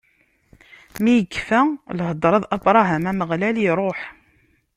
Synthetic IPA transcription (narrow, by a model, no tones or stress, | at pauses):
mijəɡːfælɦəd̪ˤːɾˤɑðˤɑbɾˤɑɦæmæməʁlæliɾˤoħ